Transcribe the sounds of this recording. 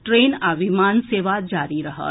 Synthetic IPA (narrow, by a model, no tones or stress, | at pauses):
ʈɾeːnabʱimanseːʋad͡ʒaːɾiɾəɦə̰